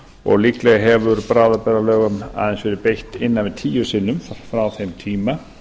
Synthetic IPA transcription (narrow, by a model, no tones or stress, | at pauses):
ɔ̰ɣliklɛɣaɦɛvʏɾpɾaːðapɛɾalœːɣʏma̰ðɛnsvɛɾɪpejht̪ɪnːanvɪðt̪ʰiːjʏsɪnːʏmffɾawθejmt̪ʰiːma